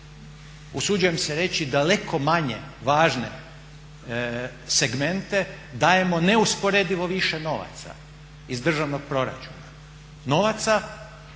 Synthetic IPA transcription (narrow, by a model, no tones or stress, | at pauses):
usud͡ʒuje̞mseɾe̞t͡ɕid̪ale̞kʰo̞maɲeʋaːʒne̞ | se̞ɡme̞nt̪e̞ | d̪aːje̞mo̞neuspo̞ɾed̪iʋo̞ʋiʃeno̞ʋa̰t̪sa̰ | izd̪r̩ʒaʋno̞ɡ̥̚pɾo̞ɾa̰t͡ʃuːna | no̞ʋat̪sa